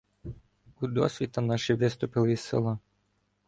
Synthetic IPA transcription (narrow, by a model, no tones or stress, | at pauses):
ud̪ɔ̰sʲʋʲit̪ɐnaʃiʋɪst̪ʊpɪlˠɪisɪ̰lˠa